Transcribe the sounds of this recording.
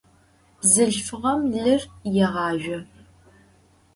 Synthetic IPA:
bzɨɬfɨʁɐmɮɨrjɛʁɑːʒᶣʷɐ

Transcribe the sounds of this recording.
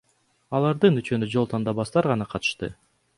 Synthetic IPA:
ɑlˠɑɾd̪ɯnyt͡ʃønød͡ʒo̞lˠt̪ʰɑnd̪ɑβɑsd̪ɑɾʁɑnɑqʰɑt̪ɯ̥ʃt̪ɯ̰

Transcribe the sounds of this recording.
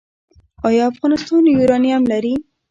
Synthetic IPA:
ɑjɑafɣɑnɪst̪ɑnjuɾɑnijamlaɾi

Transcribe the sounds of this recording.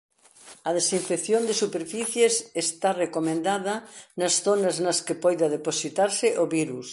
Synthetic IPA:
ɐðesiɱfekθjond̪esupeɾfiθjesest̪arekomẽnd̪aðɐnɐsθonɐznɐskepɔjðɐðeposit̪aɾsɪʔoβiɾus

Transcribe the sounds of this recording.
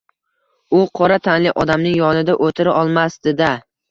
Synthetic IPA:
ʊqʰɒɾat̪ʰanlɪʔɒd̪amnɪŋjɒnɪd̪aʔot̪ʰɪɾaʔɒlˠmasd̪ɪd̪a

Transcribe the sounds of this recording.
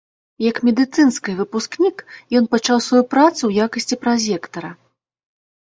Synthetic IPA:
jɐkmʲɛd̪ɨt̪sɨnskɨjvɨpusknʲikjɔnpɐt͡ʂawsvajupɾat̪suwjakɐsʲt͡sʲipɾazʲɛkt̪ɐɾɐ

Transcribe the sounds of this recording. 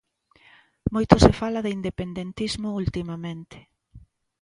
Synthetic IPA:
mojt̪osefalaðɪind̪epend̪ent̪izmʊult̪imamẽnt̪ɪ̥

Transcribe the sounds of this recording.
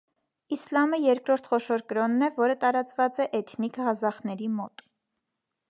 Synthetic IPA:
islɑməjɛɾkɾɔɾt̪ʰχɔʃɔɾkəɾɔnːɛvɔɾət̪ɑɾɑt͡svɑt͡sɛʔɛt̪ʰnikhɑzɑχnɛɾimɔt̪

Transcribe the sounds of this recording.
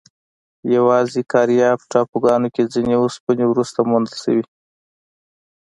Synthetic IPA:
jawɑzekɑɾjɑpə̥ʈɑpoɡɑnoked͡zineospənewɾust̪amond̪əlsa̰wi

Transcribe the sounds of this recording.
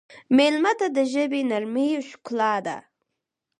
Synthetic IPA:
melmat̪ad̪əʒəbenaɾmijoʃklɑd̪a̰

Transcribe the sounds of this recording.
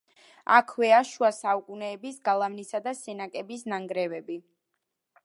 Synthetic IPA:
a̰kʰwɛaʃuasaukʼunɛːbisɡalˠavnisad̪asɛnakʼɛbisnaŋɡɾɛvɛbi

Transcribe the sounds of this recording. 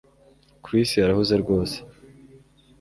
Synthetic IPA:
kɾisiaɾahuzeɾɡo̞ːse̥

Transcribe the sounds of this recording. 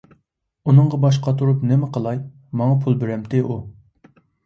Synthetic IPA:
unɨŋʁɑbɑʃ̬qɑt̪ʰuɾupnɪmɪqʰəlˠɑj | mɑŋɑpʰulˠbɪɾɛmt̪ʰɪʔu

